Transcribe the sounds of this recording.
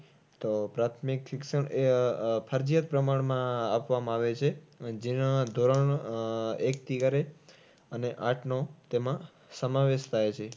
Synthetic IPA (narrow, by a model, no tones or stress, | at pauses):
t̪opɾat̪ʰmikʃikʃəɳepʰəɾd͡ʒijət̪̚pɾəmaɳmãapʋamãaʋet͡ʃʰed͡ʒenãd̪ʱoɾəɳ | ek̚t̪iɡaɾe | əneʔaʈʰnot̪emã | səmaʋeʃt̪ʰajt͡ʃʰe